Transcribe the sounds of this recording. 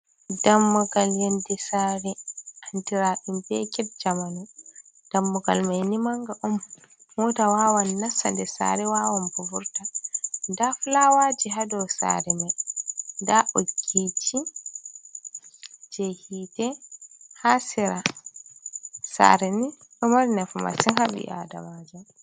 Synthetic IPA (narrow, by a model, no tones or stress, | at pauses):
damːɔɡaljandɛsaɾɛʔantiɾaɗumbɛkɛt̚d͡ʒamanu | d̥amːɔɡa̰lmajnimaŋɡaʔɔm | hɔtawawanːasa̰ndɛsa̰ːɾɛwawanbubuɾtandaflawad͡ʒiɦadɔwsa̰ɾɛmajndaʔoɡit͡ʃi | d͡ʒehitɛhasiɾa | sa̰ɾɛni | ɗɔmaɾnɛfma̰sinhabḭʔa̰da̰mad͡ʒam